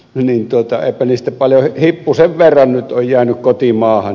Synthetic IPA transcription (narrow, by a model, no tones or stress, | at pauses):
nint̪uot̪ɑḛˑipæniːst̪æpɑljohipːuseʋʋerːɑnnyt̪ojjæːnykkot̪imɑːhɑn